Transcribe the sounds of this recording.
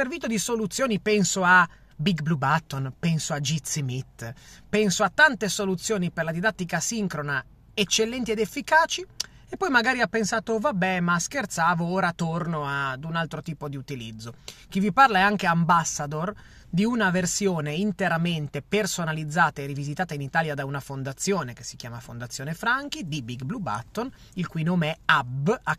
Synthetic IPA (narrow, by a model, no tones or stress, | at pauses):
ervit̪od̪isolut̪sːjoːnipɛnsoa | biɡblubat̪ːonpɛnsoad͡ʒit̪sːimit̪ːpɛnsoat̪ːant̪esolut̪sːjoːniperlad̪id̪at̪ːikasiŋkɾona | et͡ʃːelːɛnt̪ied̪efːikaːt͡ʃi | epːɔjmaɡaːɾiapːensaːt̪ovabːɛmaskert̪saːvooːɾat̪ːornoad̪unalt̪ɾot̪iːpod̪iut̪ilid̪zːok̟iviparlaaŋkeambasːad̪or | d̪iunaversjoːneint̪eɾament̪epersonalid̪zːaːt̪aerivizit̪aːt̪ainit̪aːljad̪aunafond̪at̪sːjoːneke̥si̥k̟jaːmafond̪at̪sːjoːnefɾaŋkid̪ibiɡbluba̰t̪ːon | ilkujnoːmeɛaba